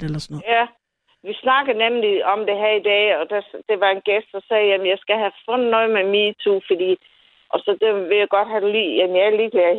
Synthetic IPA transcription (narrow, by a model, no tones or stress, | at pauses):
elɐsnjæ | ʋisnɑ̈ɡ̥ð̩ˠnemliɒ̽md̥e̝ɦæɐid̥ɛ̰ːɒ̽d̥æd̥e̝ʋɑ̈e̝nɡ̥esd̥̚d̥ɐsɛːjæmənjɑ̈ɪsɡ̥æɦæfɔn̩nːɔðˠmemiːt͡sʰufɒd̥ḭː | ʔɒ̽sɒ̽d̥eʋe̝jɑ̈ɪɡ̥ɒ̽d̥ɦædlḭːjæmnjɑliːɡ̥læɐ